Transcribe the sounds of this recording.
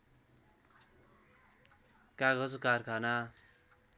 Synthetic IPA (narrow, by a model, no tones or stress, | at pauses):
kaɡʌd͡zkarkʰana